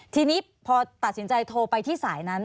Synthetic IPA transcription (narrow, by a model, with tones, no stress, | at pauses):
t̪ʰiː˧niː˦˥ | pʰɔː˧t̪a˨˩t̪̚si˩˦nt͡ɕa˧jt̪ʰoː˧pa˧jt̪ʰiː˥˩saː˩˦jna˦˥n